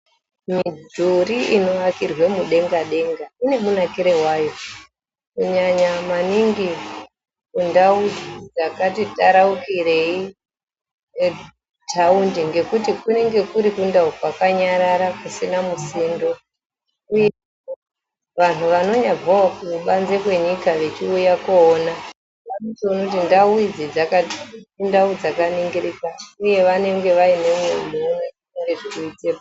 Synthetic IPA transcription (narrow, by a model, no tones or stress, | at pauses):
midʱuɾiino̞akirwe̞muɗe̞ŋɡaɗe̞ŋɡaine̞munakiɾewaːjo̞ | kuɲaɲamaniŋɡi | kundaudid͡zakatitaɾaukire̞i | tʰaundiŋɡe̞kutikune̞ŋɡe̞kuɾikundaukwakaɲaɾaɾakusinamusindo̞ | uje | ʋan̤uʋano̞ɲab͡vawakuuɓanzekwe̞ɲikaʋe̞t͡ʃiujakoːna | anotionakutindauid͡zid͡zakandaud͡zakaniŋɡiɾikauje̞ʋane̞ŋɡe̞ʋaine̞mwemoːnaieŋɡeʐikiit͡sepa